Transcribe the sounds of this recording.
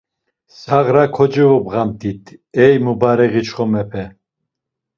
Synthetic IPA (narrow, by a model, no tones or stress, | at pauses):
saʁɾakʰɔd͡ʒivɔbʁamt̪ʰʼit̪ʰɛjmubaɾɛɣit͡ʃχɔmɛpʰɛ